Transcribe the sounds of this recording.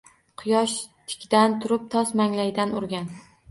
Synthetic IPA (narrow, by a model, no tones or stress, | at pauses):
qʰʊjɒʃt̪ʰɪ̥kʲd̪ant̪ʰʊɾɪp̚t̪ʰɒsmaŋlajʲd̪anʊɾɡʲan